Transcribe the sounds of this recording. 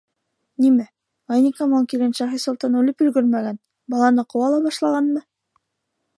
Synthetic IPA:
nimæ | ɑjnʲikamolkilʲɘnʃɑχisulˠt̪ɑnʉlɘpɵlɡɵɾmæɡæn | bɑlˠɑnɤqŏwɑlˠɑbɑʃlˠɑʁɑnmɤ

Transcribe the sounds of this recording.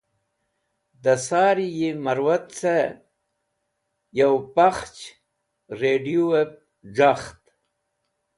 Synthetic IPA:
d̪əsɑːɾijemaɾwat̪t͡sa | jawpaχt͡ʃ | ɾeɖijoweb̚ | ʐaxt̪

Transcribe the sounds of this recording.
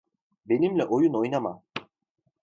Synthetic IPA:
be̞nimlʲɛʔojuno̞jnamam

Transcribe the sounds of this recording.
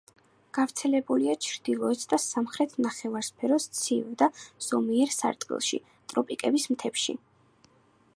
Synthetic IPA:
ɡ̥avɾt̪sʰɛlɛbuliat͡ʃʰɾd̪̥ilˠɔɛt̪sʰd̪asamχɾɛt̪ʰnaχɛvaɾspʰɛɾɔst̪sʰḭvd̪az̥ɔmiɛɾsa̰ɾt̪ʼqʼḭlˠʃḭ | t̪ʼɾɔpʼikʼɛbismt̪ʰɛpʃḭ

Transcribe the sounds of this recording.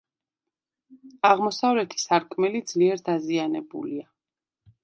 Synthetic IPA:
aʁmɔsavɾɛt̪ʰi̥saɾkʼʰmɛlid̪zliɛɾd̪azianɛbṵlia

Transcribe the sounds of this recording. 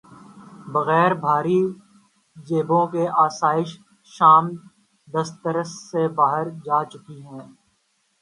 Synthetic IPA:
bɐɣɛːɾbʱaːɾi | d͡ʒeːbõkeʔaːsaːɪʃ | ʃaːm | d̪ɐst̪əɾəsːebaːɦəɾd͡ʒaːt͡ʃʊkiɦɛ̃ː

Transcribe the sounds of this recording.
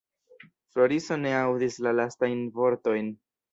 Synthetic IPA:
flo̞ɾiso̞ne̞awdislalastajnvo̞ɾto̞jn

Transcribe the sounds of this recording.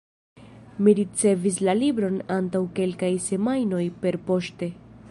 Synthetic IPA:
miɾit͡se̞vis̬lalibɾo̞nantawke̞lkajse̞majno̞jpe̞ɾpo̞ʃte̞

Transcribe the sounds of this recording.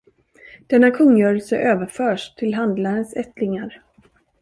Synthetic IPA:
d̪̥ɛnːakʰɵŋːjœːɾəlsəʔøːvəɾfœːʂt̪ʰɪlɦand̪laɾənsɛt̪lɪŋaɾ

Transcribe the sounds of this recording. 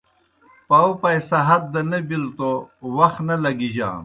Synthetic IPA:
pawpɐjsɐɦɐt̪̚d̪ɐnɐbilt̪owɐxnɐlɐɡiʑa̰ː

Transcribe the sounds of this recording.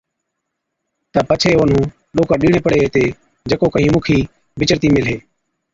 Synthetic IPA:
t̪aːpət͡ʃʰeːʋon̤ũː | ɗoːkãːɗiːɳ̃eːpəɽeːɦːt̪eː | d͡ʒəkoːkəɦĩːmuːkʰiː | bʱɪt͡ʃəɾt̪iːmɪlɦeː

